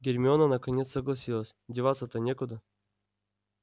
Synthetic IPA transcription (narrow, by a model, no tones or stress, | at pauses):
ɡʲɪɾʲmʲɪonənəkɐnʲet̪səɡlˠɐsʲilˠəsʲdʲɪvat̪sət̪ənʲekʊd̪ə